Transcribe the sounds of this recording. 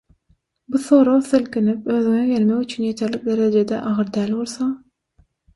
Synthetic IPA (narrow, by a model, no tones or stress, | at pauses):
buθo̞ːɾoθelkinipøðyŋeɡe̞lmekyt͡ʃʰynje̞t̪ʰe̞ɾlik̚d̪e̞ɾed͡ʒe̞d̪ḛʔɑʁɯɾd̪æːlβo̞lˠθɑŋ